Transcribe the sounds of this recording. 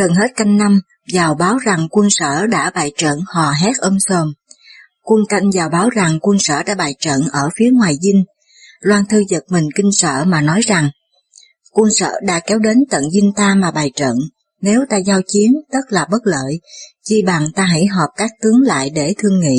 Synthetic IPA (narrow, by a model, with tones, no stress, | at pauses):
ɣə˨˩nɦe˦˥t̚ka˧jŋ̟na˧m | zaː˨˩wɓaː˨˦wza˨˩ŋkwə˧nsə̰ː˧˨ɗa̰ː˧˥ɓaː˨˩jt͡ɕə̰˧˨nhɔ˨˩ɦɛ˦˥t̚ʔə˧mso˧˩m | kwə˧ənka˧jŋ̟zaː˨˩wɓaː˨˦wza˨˩ŋkwə˧nsə̰ː˧˨ɗa̰ː˧˥ɓaː˨˩jt͡ɕə̰˧˨nʔəː˧˩fi˨˦əŋwaː˨˩jzï˧ŋ̟ | lwaː˧nt̪ʰɨ˧zə˨˩t̚mï˨˩ŋ̟kï˧ŋ̟sə̰ː˧˨maː˨˩nɔ˨˦jza˨˩ŋ | kwə˧nsə̰ː˧˨ɗa̰ː˧˥kɛ˨˦wɗe˨˦nt̪ə̰˧˨nzï˧ŋ̟t̪aː˧maː˨˩ɓaː˨˩jt͡ɕə̰˧˨n | ne˨˦wt̪aː˧zaː˧wt͡ɕi˨˦ənt̪ə˦˥t̚laː˨˩ɓə˦˥t̚lə̰ː˧˨jt͡ɕi˧ɓaː˨˩ŋt̪aː˧ɦḭ˧˥˨jɦɔ˨˩p̚kaː˦˥k̚t̪ɨ˨˦əŋla̰ː˧˨jɗe˧˩t̪ʰɨ˧əŋːḭ˧˨